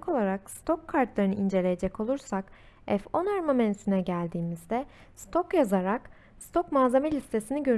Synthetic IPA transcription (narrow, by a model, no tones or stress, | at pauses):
ko̞lˠaɾakst̪ʰo̞kʰːaɾt̪lˠaɾɯnɯind͡ʒe̞lʲeje̞d͡ʒɛco̞lˠuɾsak | ɛfo̞naɾmamænt̪ʰinɛɟælʲd̪iːmizd̪ɛ | st̪ʰo̞kjazaɾak | st̪ʰo̞kmaːzemelʲist̪ʰe̞siniɟø̞ɾ